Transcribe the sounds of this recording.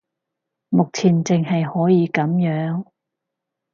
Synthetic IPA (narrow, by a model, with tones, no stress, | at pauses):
mʊ˨k̚t͡sʰiː˨˩nt͡sɪ˨ŋhɐ˨jhɔː˨˥jiː˨˧kɐ˨˥mjœː˨˥ŋ